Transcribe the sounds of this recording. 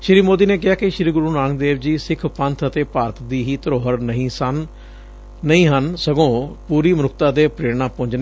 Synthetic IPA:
ʃɪɾiːmoːd̪iːneːk̬ɪɦaːkɪʃɾiːɡʊɾuːnãːŋd̪eːʋd͡ʒiːsɪkʰpənt̪ʰət̪eːpaːɾət̪d̪iːɦiːt̪əɾoːɦəɾnəɦĩːsənː | əĩːɦənsəɡõːpuːɾiːmənʊkʰt̪aːd̪eːpɾeːɾɳãːpʊ̃ɲd͡ʒneː

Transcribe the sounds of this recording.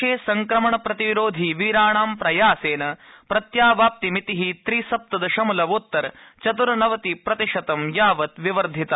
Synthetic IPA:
eːsɐŋkɾɐmɐɳɐpɾɐt̪iʋɾoːd̪ʱiʋiːɾaːɳaːmpɾɐjaːseːnɐpɾɐt̪jaːʋaːp̚t̪imit̪iɦit̪ɾiːsɐp̚t̪ɐd̪ɐʃɐmɐlɐʋut̪ːɐɾ | t͡ʃɐt̪uɾɐnɐʋɐt̪ipɾɐt̪iʂɐt̪ɐmjaːʋɐt̪ʋiʋɐɾd̪ʱit̪ɐ

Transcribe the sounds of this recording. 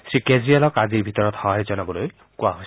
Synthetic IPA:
sɹikezɾialɔkad̪iɾbʱit̪ɔɾɔt̪hɔaɾid͡ʒɔnɔbɔloj | kuaɦojs

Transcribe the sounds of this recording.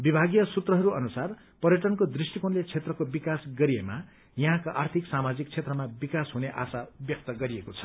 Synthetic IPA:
bibʱaɡjʌsut̪rʌɦʌɾuʌnusar | pʌɾjʌʈʌnkod̪risʈikonlet͡sʰet̪rʌkobikasɡʌɾiema | jʌɦãkaʔart̪ʰiksamad͡zik̚t͡sʰet̪rʌmabikasɦuneʔa̰sabjʌk̚t̪ʌɡʌɾiekot͡sʰʌ̥

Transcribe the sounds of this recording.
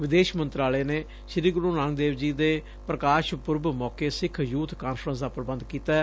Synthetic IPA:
ʋɪd̪eːʃmənt̪ɾaːleːneː | ʃɾiːɡɾuːnãːŋɡd̪eːʋd͡ʒiːd̪eː | pɾəkaːʃpʊɾbmɔːkeːsɪkʰjuːt̪ʰkaːnfʰɾə̃nsd̪aːpɾəbə̃nd̪kiːt̪aː

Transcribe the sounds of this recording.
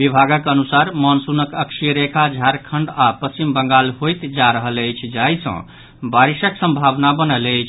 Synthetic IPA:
bibʱaɡəkənusaɾmɔnsunəkəkʃiɾekʰad͡ʒʱaɾkʰəɳɖapəst͡ʃimbəŋɡalɦojt̪d͡ʒaɾəɦələjt͡ʃʰd͡ʒaisə̰̃ | baɾisəksə̃mbʱabnabənələt͡ʃʰ

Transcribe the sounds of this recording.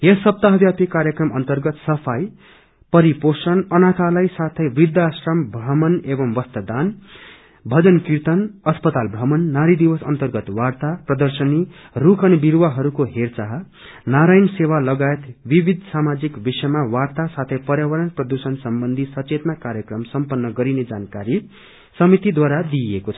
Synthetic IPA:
jʌsʌp̚t̪aɦʌbjapikaɾjʌkrʌmʌnt̪ʌrɡʌt̪sʌpʰaj | pʌɾiposʌnʌnat̪ʰalajsat̪ʰʌjbid̪asrʌmbʱrʌmʌnebʌmbʌst̪ʌd̪an | bʱʌd͡zʌnkiɾt̪ʌnʌspʌt̪albʱɾʌmʌnːaɾid̪iwʌsʌ̰nt̪ʌrɡʌt̪wart̪aprʌd̪ʌrsʌnirukʰʌnibiɾwaɦʌɾukoɦert͡saɦ | naɾajnsewalʌɡaet̪bibʱid̪ʱsamad͡zikbisʌjmawart̪asat̪ʰʌjpʌɾjawʌɾʌnprʌd̪usʌnsʌmbʌnd̪ʱisʌt͡set̪nakaɾjʌkrʌmsʌmpʌnːʌɡʌɾined͡zankaɾi | sʌmit̪id̪waɾad̪iekot͡sʰʌ̥

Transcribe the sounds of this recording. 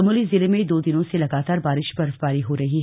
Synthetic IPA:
muːlizɪlemẽd̪oːd̪ɪnõselɐɡaːt̪aːɾbaːɾɪʃbɐɾfpaːɾiɦoɾɐɦiɦ

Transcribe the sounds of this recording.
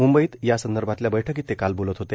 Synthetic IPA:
mumbəiːt̪jasənd̪əɾbʱat̪ljabəjʈʰəkiːt̪ːekalbolət̪ɦot̪e

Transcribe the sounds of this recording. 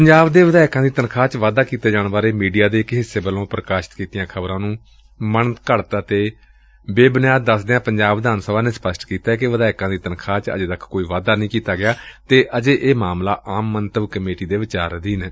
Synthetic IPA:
pəɲd͡ʒaːbd̪eːʋəd̪aːɪkãːd̪iːt̪ənkʰaːt͡ʃʋaːd̪aːkiːt̪eːd͡ʒaːñbaːɾeːmiːɖijaːd̪eːkɦɪseːbəlõːpɾəkaːʃə̥t̪kiːt̪ijãːkʰəbɾãːnũː | mənkəɽt̪ət̪eː | beːbənjaːd̪ːəsd̪eːãːpəɲd͡ʒaːbʋd̪aːnsəʋaːneːspəsʈkiːt̪aːɛkɪʋəd̪aːɪkãːd̪iːt̪ənkʰaːt͡ʃə̰d͡ʒeːd̪əkʰkoːiːʋaːd̪aːnəĩːkiːt̪aːɡɪjaːt̪eːʔəd͡ʒeːʔeːmaːmlaːʔaːmːənt̪əbkəmeːʈiːd̪eːʋɪt͡ʃaːɾd̪iːnː

